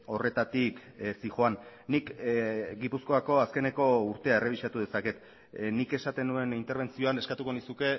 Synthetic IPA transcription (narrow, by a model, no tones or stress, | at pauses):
o̞re̞t̪at̪iksixoanːikɡipusko̞ako̞aske̞ne̞ko̞uɾt̪e̞ae̞re̞β̞iʃat̪uðe̞sake̞t̪ | nike̞sat̪e̞nue̞nint̪e̞ɾβe̞nt͡sio̞ane̞skat̪uko̞nisuke̞